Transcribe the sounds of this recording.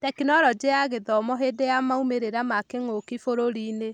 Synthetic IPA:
tɛkinɔɾɔd͡ʒeaɣeðɔmɔɦedeamaumeɾeɾamakeŋokifoɾoɾine

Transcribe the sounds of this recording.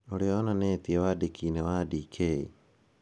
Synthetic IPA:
oɾeɔnaneːtiewadikinewadikʰei

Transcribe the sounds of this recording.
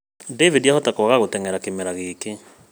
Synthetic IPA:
devidjahɔtakɔɣaɣotɛŋɛɾakemɛɾaɣeːke

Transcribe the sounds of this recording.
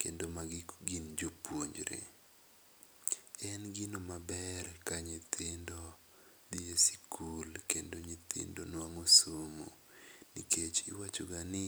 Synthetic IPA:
kḛndomaɡɪɡind͡ʒopwoɲd͡ʒɾḛ | ɛnɡɪnomabɛrkaɲɪt̪ʰɪndo | d̪iesi̥kʰulkendoɲɪt̪ɪ̰ndonamosomo̰ | nḭket͡ʃɪwat͡ʃoɡanɪ

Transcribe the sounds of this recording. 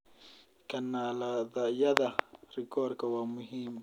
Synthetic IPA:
kanalad̪ajad̪aɾɪkoɾkawamʊɦim

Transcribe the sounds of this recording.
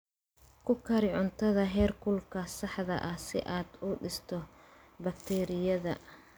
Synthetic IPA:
kʰʊkʰɐɾɪʕʊnt̪ʰɐðɐɦɛːrkʰʊlkʰɐsɑħðɐ̰ʔɐhsɪ̰ʔaːd̪uːɖɪst̪ʰɔ | bɐkt̪ʰɛːɾɪjɐðɐ̰

